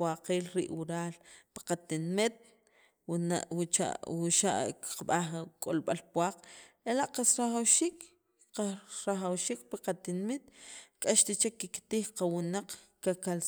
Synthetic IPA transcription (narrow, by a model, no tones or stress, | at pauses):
aqeːlɾiʔwuɾaːlpḁqat̪inmit̪̚ | awt͡ʃa̰wuʃa̰ʔki̥qaɓaχkʼolɓalpwaːqelaʔqasɾaχawʃiːk | qaɾaχawʃiːk̚piqat̪inmit̪̚kʼaʃt̪it͡ʃekikt̪iːχqawunaq͡χkakal